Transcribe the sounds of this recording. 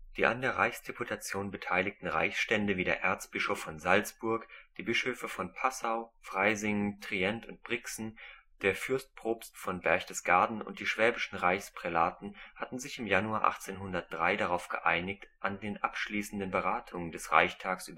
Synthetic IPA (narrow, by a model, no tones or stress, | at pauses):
d̥iːʔa̰ndeːɐʁa̰ɪçsd̥epʰutʰat͡sjoːnbətʰaɪlɪk̚tn̩ʁa̰ɪçsʃtɛndəviːdḛːɐʔɛɐt͡stb̥ɪʃofɔnzalt͡sb̥ʊɐkd̥iːbɪʃøːfəfɔnpʰasaʊfʁ̥aɪzɪŋtʁ̥iɛntʊnt̚b̥ʁɪksn̩d̥eːɐfʏɐst̚pʁ̥oːpstfɔnbɛɐçd̥əsɡ̥aɐdn̩ʊ̰nt̚d̥iːʃv̥ɛːbɪʃn̩ʁaɪçspʁ̥ɛlaːtn̩hatn̩zɪçɪmjanuaːʔa̰χt͡seːnɦʊndɐt̚d̥ʁaɪɾaʁaʊfɡ̥ə̰ʔa̰ɪnɪçtʔandeːnʔapʃliːsn̩dənbəʁaːtʰʊŋəndɛsʁa̰ɪçtʰaːksʔyːb